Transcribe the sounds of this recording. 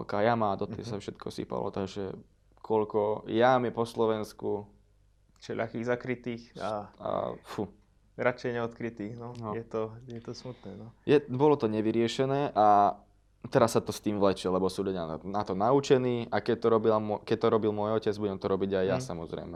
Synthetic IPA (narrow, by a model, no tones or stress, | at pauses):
kajamaːd̪ɔt̪ɛ̰safʃɛt̪kʰɔsḭpa̰lɔ̰t̪aɡʒɛ | kʰɔʎkɔjamɛpɔslɔʋɛnsku | t͡ʃɛʎa̰xiːɣzakɾit̪iːxaa̰fu | ɾat͡ʃɛjɲɛɔt̪kɾit̪iːxnɔnɔjɛt̪ɔjɛt̪ɔsmut̪nɛːnɔjɛbɔlɔt̪ɔɲɛʋiɾɪɛʃɛnɛːʔa | t̪ɛɾasːat̪ɔst̪iːmʋlɛt͡ʃilɛbɔsɔmʎʊɟɛanat̪ɔnaut͡ʃɛniːʔakɛct̪ɔɾɔbilamɔkɛct̪ɔɾɔbilmʊɔjɔcɛd͡zbuɟɛmt̪ɔɾɔbiɟajjasamɔzɾɛ̰jmɛ